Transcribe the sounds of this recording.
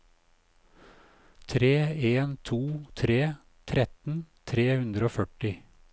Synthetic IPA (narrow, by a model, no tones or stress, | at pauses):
t̪ʰɾeːeːnt̪ʰuːt̪ʰɾeː | t̪ʰɾɛt̪n̩t̪ʰɾeːhʉnd̪ɾəoːfœʈɪ